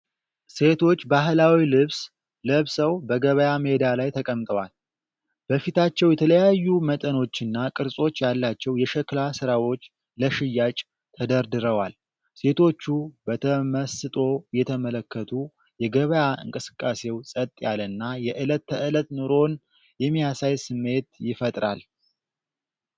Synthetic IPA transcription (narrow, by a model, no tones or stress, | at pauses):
se̞t̪ʰo̞t͡ʃːbaɦlawilɨβs | ləβsəwbəɡəβəjamed̪ialajt̪ʰəkʼəmt̪ʼəwal | b̥əfit̪ʰat͡ʃːɛwjɛt̪ʰələjajːumət̪ʼəno̞t͡ʃːɨnːakʼɨɾsʼo̞t͡ʃːjalːat͡ʃːɛwjɛʃɛklasɨɾawo̞t͡ʃː | ləʃɪjːat͡ʃʼ | t̪ʰəd̪əɾd̪ɨɾəwal | se̞t̪ʰo̞t͡ʃːubət̪ʰəməsɨt̪ʼo̞jɛt̪ʰəmələkːət̪ʰu | jɛɡəβəjaʔɨ̰ŋkʼɨsɨ̥kʼːase̞wsʼət̪ʼːjalənːajɛʔɨlət̪ːəʔɨlət̪nɨɾo̞n | jɛmːijasajsɨmːe̞t̪jɪfət̪ʼɾal